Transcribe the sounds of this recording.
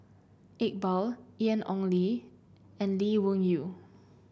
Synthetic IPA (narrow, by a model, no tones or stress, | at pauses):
ek̚bɔliɛ̃nɔ̰̃ŋli | ɛ̃nliwũŋju